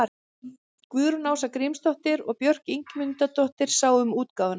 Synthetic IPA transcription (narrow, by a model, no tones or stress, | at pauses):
kvʏːðɾʏnaːwsakɾimst̪ɔht̪ɪɾɔɣpjœr̥kiŋkmʏnt̪at̪ɔht̪ɪɾ̥saːwʏmuːt̪kaːwvan